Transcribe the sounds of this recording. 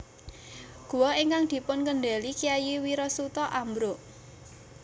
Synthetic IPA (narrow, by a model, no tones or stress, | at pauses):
ɡ̥ṳwɔeŋkaŋd̪̥i̤pʊnkənɖelikijajiwiɾɔsut̪ɔʔambɾoʔ